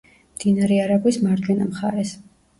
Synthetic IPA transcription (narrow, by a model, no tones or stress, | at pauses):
md̪̥inaɾɛaɾabismaɾd͡ʒ̪wɛnamχa̰ɾɛs